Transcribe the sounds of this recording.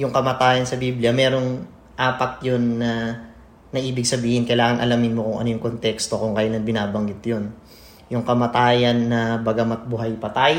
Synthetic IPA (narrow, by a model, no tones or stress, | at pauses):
jʊŋkɐmɐt̪aːjɐnsɐbiːblɪɐmɛːɾo̞ŋ | ʔaːpɐt̪̚jonːɐ | nɐʔiːbɪɡ̚sɐbiːhɪnkɐjlaːŋɐŋʔɐ̰lamɪnmokʊŋʔɐnojʊŋkont̪ɛkst̪o̞kʊŋkɐjalɐnbɪnaːbɐŋɡɪt̪jo̞n | jʊŋkɐmɐt̪aːjɐnːɐbɐɡɐmɐt̪̚bʊɦajpɐt̪aj